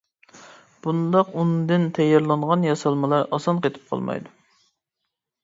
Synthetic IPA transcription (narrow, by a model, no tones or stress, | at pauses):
b̥und̪ɑqund̪ɪnt̪ʰɛjɑɾlˠɑɴʁɑnjɑsɑlˠmɨlˠɑɾɑsɑnqet̪ʰɪ̥p̚qʰɑ̰lˠmɑ̰jd̪u